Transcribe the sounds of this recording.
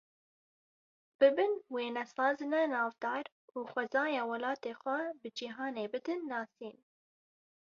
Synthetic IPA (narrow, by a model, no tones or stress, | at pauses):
b̥ɨbɨnweːnɛsɑːzɨnɛnɑːvd̪ɑːɾ | uːxʷɛzɑːjɑːwɐlɑːt̪eːxʷɛbɨd͡ʒiɦɑːneːbɨd̪ɨnːɑːsiːn